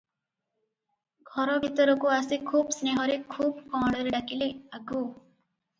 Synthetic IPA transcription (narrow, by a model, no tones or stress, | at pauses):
ɡʱɔɾɔbʱit̪ɔɾɔkuasikʰuːbsneɦɔɾekʰuːbkɔɽ̃ɔɾeɖakileaɡu